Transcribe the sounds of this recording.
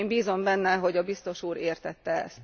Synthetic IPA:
mbiːzo̞mbɛnːɛɦo̞ɟɒbist̪o̞ʃuːɾeːrt̪ɛt̪ːɛɛ̰st̪

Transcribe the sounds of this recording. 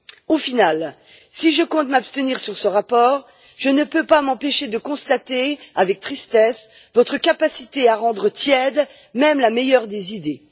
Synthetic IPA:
ofinal | siʒəkɔ̃t̪mapst̪əniʁsyʁsəʁapɔːʁ | ʒ̥ənəpøpamɑ̃peʃed̪əkɔ̃st̪at̪eavɛk̚t̪χist̪ɛs | vɔt̪χəkapasit̪eaʁɑ̃d̪ʁət̪jɛd̪ | mɛmlamɛjœʁd̪ezid̪e

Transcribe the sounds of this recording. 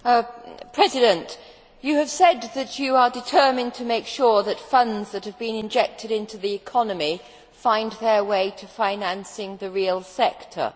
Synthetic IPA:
pʰɹ̥ɛzɨɾɨ̃nt͡ʃ | ɨːv̥sɛd̪̚ðɨt͡ʃɨə˞dɨtʰɜ˞mɪ̃ntʰɨmeɪkʃʊɹðɨtfʌ̃ndzðɨt̚hɨvbɨ̃nɨ̃nd͡ʒɛk̚tʰɨɾɪ̃ntʰʉðiɨkʰɑnɨmi | fãɪ̃nðə˞weɪɾʰɨfãɪ̃næ̃nsɪ̃ŋðɨɹilˠsɛktʰə̰˞

